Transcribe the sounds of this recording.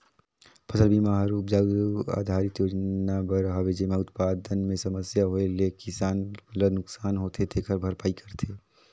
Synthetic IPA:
pʰəsəlbimaɦɾupd͡ʒaa̰d̪ʱaɾit̪joɾnabəɾɦabed͡ʒemaut̪̚pad̪ənmesəməsjaɦoelekisanlənʊksaːnɦot̪ʰet̪ʰekəɾbʱəɾpaːikʰəɾt̪ʰe

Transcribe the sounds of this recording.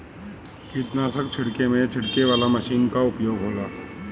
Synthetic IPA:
kiːt̪naːsəkt͡ʃʰɐɽkemẽt͡ʃʰɐɽkeʋaːlamɐʃiːnkaʊpjoːɡɦoːɡaː

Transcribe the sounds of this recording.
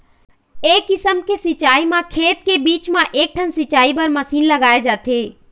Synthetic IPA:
eːkːɪsəmkesɪt͡ʃaːimãkʰeːt̪̚kebiːt͡ʃmãʔeːk̚ʈʰənsɪt͡ʃaːibɐɾmɐsiːnlɐɡaːjed͡ʒaːt̪eː

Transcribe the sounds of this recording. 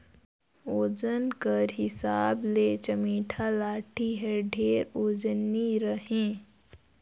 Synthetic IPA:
oːd͡ʒənkəɾɦɪsaːbleːt͡ʃəmiːʈʰalaːʈʰiɦɛɖʱeːɾoːd͡ʒniɾəɦẽː

